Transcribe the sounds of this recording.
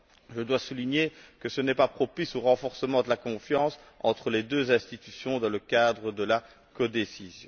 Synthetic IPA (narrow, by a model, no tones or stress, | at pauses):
ʒəd̪wasuliɲekəsənɛpapχɔpisoʁɑ̃fɔʁsəmɑ̃d̪əlakɔ̃fjɑ̃s | ɑ̰̃t̪χəled̪øzɛ̃st̪it̪ysjɔ̃d̪ɑ̃ləkad̪ʁəd̪əla | kɔd̪esizjɔ̰̃